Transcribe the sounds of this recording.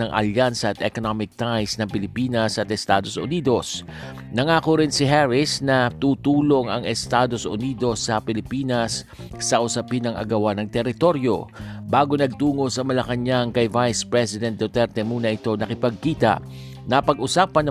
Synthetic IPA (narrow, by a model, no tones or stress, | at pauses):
nɐŋʔɐ̰ljansɐːt̪ɛkonamɪk̚t̪ajsnɐŋpɪlɪpiːnɐsɐt̪ɛst̪aːd̪o̞sʔʊ̰nid̪o̞s | nɐŋaːkoɾɪnsɪɦɛɹɪsnɐt̪uːt̪uːlo̞ŋɐŋɛst̪aːd̪o̞sʊ̰niːd̪o̞sːɐpɪlɪpiːnɐsː | ɐʔʊsɐpɪnɐŋʔɐ̰ɡɐwanɐŋt̪ɛɾɪt̪o̞ɾjo̞̰baːɡo̞nɐɡ̚t̪uːŋo̞sɐmɐlɐkɐɲaŋkɐjvajspɹɛsɪd̪ɛn̚d̪ot̪ɛɾt̪ɛmuːnɐʔɪt̪o̞nɐkɪpɐɡ̚kiːt̪ɐ̰ʔ | nɐpɐɡʔʊsaːpɐnɐ